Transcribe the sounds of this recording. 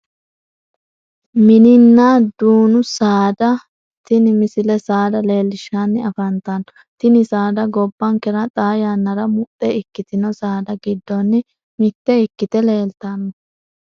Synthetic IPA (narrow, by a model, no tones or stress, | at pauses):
mɪnɪnːaːd̪uːnʊsaːd̪ɐ | t̪ɪnɪmɪsɪlɛsaːd̪ɐle̞ːlːɪʃanːɪɐfɐnt̪ɐnɔ | t̪ɪnɪsaːd̪ɐɡɔbːɐŋkɛɾɐt̪ʼaːjanːɐɾɐmʊʔʼɛɪkːɪt̪ɪnɔsaːd̪ɐɡɪd̪ːɔnːɪ | mɪt̪ːɛɪkːɪt̪ɛle̞ːlt̪ɐnːɔ